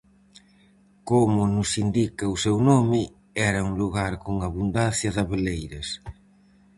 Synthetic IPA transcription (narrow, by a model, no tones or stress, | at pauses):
komʊnʊsind̪ikɐʊsewnomɪ | ɛɾɐuŋluɣaɾkoŋaβund̪anθjɐðɐβelejɾɐs